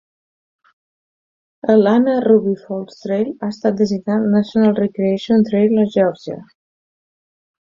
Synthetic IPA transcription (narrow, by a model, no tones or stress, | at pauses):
əlanəruβifɔlˠt̪st̪ɾejlast̪at̪̚d̪əziɡnat̪nasjonalˠrekɾeeʃiont̪ɾejlaʒɔɾzia̰